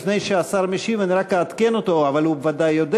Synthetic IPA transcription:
fnejʃeasaʁmiʃivaniɾakeat̪kenot̪o̞avalhubevad̪ajːod̪

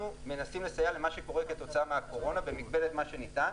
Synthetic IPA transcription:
ume̞nasimle̞sajalemaʃeko̞ʁeket̪o̞t͡saameako̞ʁo̞nabe̞mikbe̞let̪maʃenit̪an

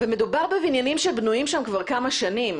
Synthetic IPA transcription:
veme̞dubaʁbevinjanimʃebnujimʃamkvaʁkamaʃanim

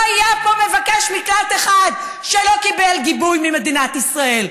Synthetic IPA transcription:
ajapo̞mevakeʃmiklat̪eχad̪ | ʃelo̞kibelɡibujmime̞d̪inat̪isʁae̞l

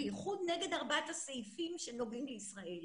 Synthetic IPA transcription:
ejiχud̪ne̞ɡe̞d̪aʁbat̪aseifimʃenoɡimleisʁaʔel

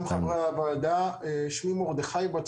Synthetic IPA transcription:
mχavʁavaːd̪aeʃmimoʁd̪eχajbat͡s

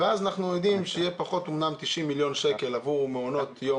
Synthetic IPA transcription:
veazanaχnujod̪imʃejepaχo̞t̪omnamt̪iʃimːiljo̞nʃeke̞lavuʁumeono̞t̪jo

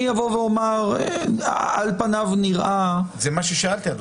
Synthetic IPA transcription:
javoveomaʁ | alpanavniʁʔazɛmaʃeʃaalt̪iat

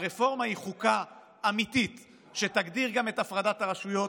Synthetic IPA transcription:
ʁefo̞ʁmaiχukaː | mit̪it | ʃetaɡdiʁɡame̞tafʁadat̪aʁaʃujo

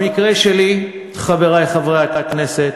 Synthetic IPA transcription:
mikʁeʃeli | χaveʁajχavʁeat̪akneset̪

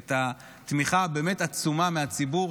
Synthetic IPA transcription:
ta | t̪miχabe̞ːmetat͡sumameat͡sibu

